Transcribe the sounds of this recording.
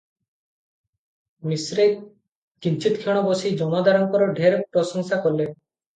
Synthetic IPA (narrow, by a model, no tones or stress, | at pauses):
misɾe | kint͡ʃit̪kʰiɽ̃ɔbosid͡ʒɔmad̪aɾɔŋkɔɾɔɖʱeɾpɾɔsɔŋsakɔɾle